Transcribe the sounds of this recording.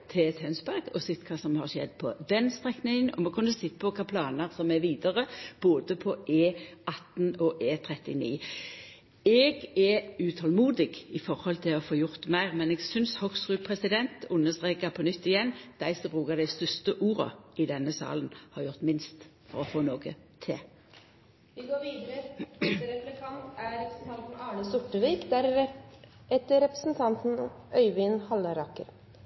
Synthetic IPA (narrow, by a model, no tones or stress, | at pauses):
t̪ʰɛt̪hœnsbæɾɡɔsɪt̪kʰɑːsɔmhɑʁʃɛ̰d̪pʰɔd̪ɛnst̪ʁɛknɪŋənɔ̰mɛkʰʉnːəsɪt̪ːəpʰɔkʰɑpʰlɑːnəʁsɔmɛʋiːd̪əʁəb̥oːd̪əpʰɔʔeːɑt̪nɔʔeːt̪ʰʁɛt̪ɪnḭː | ɛɡɛʉːt̪ʰɑlmuːd̪ɪɡɪfɔʁhɔlt̪ʰɪɔfoːjʊʁt̪mæɪʁmɛnɛɡsʏnshɔksʁʉːpʰʁɛsɪd̪ɛnt̪ʊnːəst̪ʁeːkəpʰɔnʏt̪ːɪjɛnːd̪̥æɪsɔbʁuːkəd̪æɪst̪ʏst̪əʔuːʁə̰ɪd̪ɛnːəsɑ̰ːlənhɑʁjʊʁt̪mɪnst̪fɔɾɔfoːnoːkə | t̪ʰɪ̰ | ʋɪɡoːʋiːd̪əɾəɾɛpɾət̪ʰɑnt̪æɾɛpɾəsn̩t̪ʰɑnt̪n̩ɑːɳəsʊʈːəʋiːkd̪æɾ | ɛt̪ːəɾɛpɾə̥sn̩t̪ʰɑnt̪n̩ʔœʏʋɪnhɑlːəɾɑkːəɾ